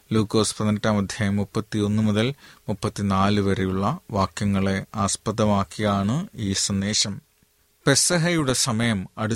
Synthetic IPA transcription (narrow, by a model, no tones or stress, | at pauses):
luːkːoːspɐðnɐtːaːmɐd̪ʱjɐːjɐmːupːɐt̪ːio̞nːumuðɐlmupːɐt̪ːinaːlɨʋɐrijuɭːɐʋaːkjɐŋːɐɭe̞aːspɐðɐmaːkːijaːɳɨiːsɐnd̪eːɕɐm | pesɐɦɐjuɽe̞sɐmɐjɐmɐɽu